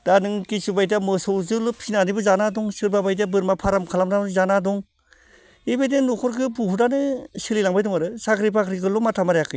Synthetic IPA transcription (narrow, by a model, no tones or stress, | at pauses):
d̥anɯŋkisubajdamɯsɔwzɯlɯpʰinanibɯzanadɔŋsɯɾbabajd̬abɯɾmapʰaɾamkʰalamnaɯzanadɔŋ | ebedenɔkʰɔɾkɯpuɦudanɯsɯlilaŋbajdɔŋaɾɯsakɾip̬akʰɾikɯlɔmatʰamaɾjakʰɯj